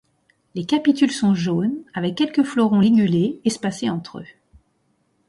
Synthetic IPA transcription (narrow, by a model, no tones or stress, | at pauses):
lekʲapit̪ylsɔ̃ʒonavɛkʲːɛlkəflɔʁɔ̃liɡyleɛspaseɑ̃t̪χø̰